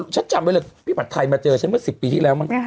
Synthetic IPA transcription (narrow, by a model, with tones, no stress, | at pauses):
t͡ɕʰa˦˥nt͡ɕa˧m˧˦˥lə˧˩pʰiː˦˥˩ba˨˩t̪ʰːa˧jmaː˧t͡ɕɤː˧t͡ɕʰa˦˥nmɯ˥˩si˨˩pːiː˧t̪ʰiː˥˩lɛː˦˥wma˧˩